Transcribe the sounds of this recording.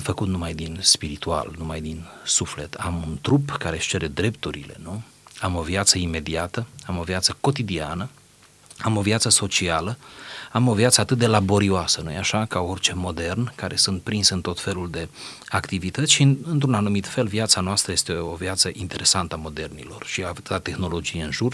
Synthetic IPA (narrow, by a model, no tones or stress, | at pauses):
fəkut̪numajd̪inspiɾit̪ua̰lnumajd̪insufle̞t̪ʰamunt̪ɾupkaɾe̞ʃt͡ʃe̞ɾe̞d̪ɾe̞pt̪uɾile̞̰nu | amo̞vjat̪səime̞d̪iat̪əamo̞viat̪səko̞t̪id̪ianə | amo̞vjat̪səso̞t͡ʃialəamo̞vjat̪səat̪ɨt̪̚d̪e̞labo̞ɾioasənujeaʃakaort͡ʃe̞mo̞d̪e̞rnkaɾe̞sunt̪̚pɾinsɨnt̪o̞t̪fe̞luld̪e̞akt̪ivit̪ət̪sʲʃiɨnt̪ɾunanumit̪fe̞lvjat̪sanoast̪ɾəje̞st̪eovjat̪səʔint̪e̞ɾʔe̞sant̪əamo̞d̪e̞rnḭlo̞̰rʃiat̪t̪at̪e̞xno̞lo̞d͡ʒijeɨnʒur